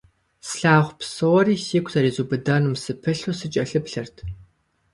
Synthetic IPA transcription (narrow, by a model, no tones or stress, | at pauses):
sɬaːʁʷpsoʁɔriːsiːkʷʰʼzɐɾiːzuːbɨdɐnumsɨpʰɨɬusɨt͡ʃʼɐɬɨpɬɐrtʰ